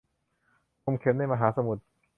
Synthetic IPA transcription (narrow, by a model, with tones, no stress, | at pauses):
o˧mkʰe˨˦na˥˩jma˧ɦaː˩˦sa˧mu˨˩t̪̚